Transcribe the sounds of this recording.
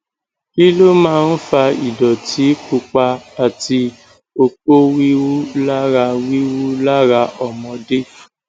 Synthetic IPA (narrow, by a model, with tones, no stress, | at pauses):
ki˦lo˦mãː˦˧n̩˦fa˧i˨dɔ˨ti˨˦k͡pu˧k͡pa˧a˨ti˧ | o˧k͡po˦wi˦wu˦la˦ɾa˧wi˦wu˦la˦ɾa˧ʔɔ˨mɔ̃˧de˦